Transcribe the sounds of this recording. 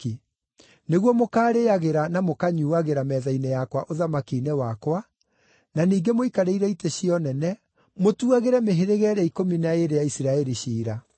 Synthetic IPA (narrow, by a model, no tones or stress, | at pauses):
i | neɣwɔmokaːɾeaɣeɾanamokaɲuːaɣeɾamɛːðainɛjakwaʔoðamakinewakwa | naniːɡemoikaɾeiɾɛiteɕiɔnɛnɛ | motuaɣeɾɛmeɦeɾeɣɛɾɛikominaeɾejaisiɾaɛɾiɕiːɾa